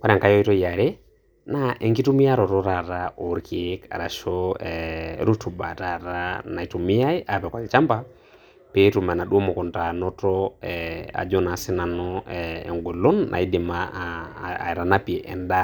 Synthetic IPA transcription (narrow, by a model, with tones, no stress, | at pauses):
ka˦ɾa˨ŋka˨˦jɔ˦i˦tɔ˦ja˨ɾe˦ | na˦ʔɛ˨ŋɡi˦tu˦mi˦a˦ɾɔ˨ɾɔ˦ɾa˨ɾa˦o˨ɾkʰika̰˨ɾa˨ʃɔ˦ɛɾu˦tu˨ba̰˨ta˨ɾa˦na˨i˨tu˨mi˦ja˦i˦ʔa˨pɛ˨kwa˨lt͡ʃa˦mba˦ | pe˦tu˨mɛ˨na˨ɗu˦ɔ˦mɔ˨kɔ˨nta˨nɔ˦tɔ˦ɛa̰˨d͡ʒɔ˦na˨si˦na˨nɔ˦ɛɛ̰˨ŋɡɛ˨lɔ˦nːʔa̰˨i˦di˨ma̰˦˨ | ɾa˨na˦pi˨ɛ˨ʔɛ̰˨nda˦